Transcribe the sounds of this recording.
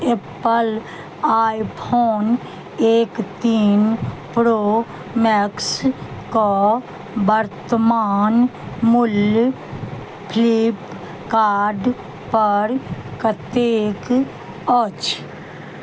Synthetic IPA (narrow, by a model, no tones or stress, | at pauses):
epəl | aːjpʰoːn | eːkt̪iːnpɾoː | mɛksko | bəɾt̪əmaːnmʊl | pʰlip | kaːɾɖ | pəɾkət̪eːk | ɔt͡ʃ